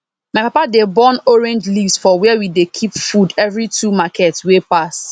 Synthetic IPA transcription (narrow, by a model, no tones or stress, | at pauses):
majpapadebɔ̃nɔɹɛ̃nd͡ʒlivsfɔwɛɛwidekʰipfudɛvɹitumakɛtswepas